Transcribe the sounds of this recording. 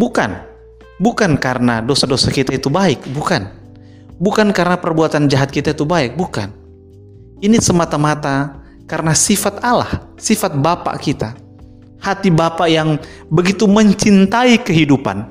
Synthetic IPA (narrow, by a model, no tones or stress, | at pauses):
buka̰n | bukankaɾənadosadosakit̪ait̪ubaɪkbukan | bukankaɾənapərbuat̪and͡ʒaɦat̪̚kit̪ait̪ubaɪk̚buka̰n | inisəmat̪amat̪a | kaɾənasifat̪ala̰h | sifat̪̚bapa̰ʔkit̪a | hat̪ibapaʔjaŋbəɡit̪uməɲt͡ʃint̪aikəɦidupa̰n